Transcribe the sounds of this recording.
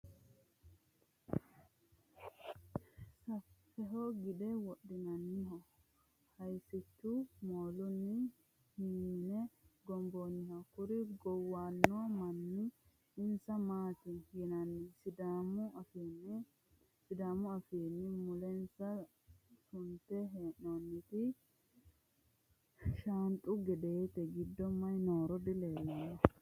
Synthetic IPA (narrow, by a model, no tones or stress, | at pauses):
saf | ɛɦɔɡidɛwoɗːinanːiɦɔ | hajsitːumolunːi | himinɛɡɔmbonihɔkuɾiɡɔwanːuwamanːi | ɪnsɐmaːt̪ɪjɪnɐnːɪsɪd̪amʊɐfiːnːɪ | sɪd̪aːmʊɐfiːnːɪmʊlɛnsɐ | sʊnt̪ɛɦeːnɔnːɪt̪ɪ | ʃant̪ʼːʊɡɛd̪eɛt̪ɛɡɪd̪ːɔmːɐjnoːɾɔd̪ɪleːlɐ